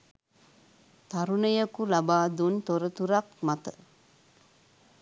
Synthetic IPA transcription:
t̪aɾunəjəkulabaːd̪unt̪oɾət̪uɾakmat̪ə

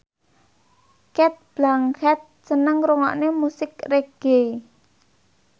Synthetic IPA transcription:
kɛt̪̚b̥laŋhɛt̪̚sənəŋɾuŋɔ̰ʔnemusɪk̚reɡ̥e

